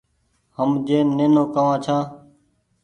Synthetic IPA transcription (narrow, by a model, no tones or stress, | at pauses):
həmd͡ʒẽːnẽːnõːkəʋãːt͡ʃʰãː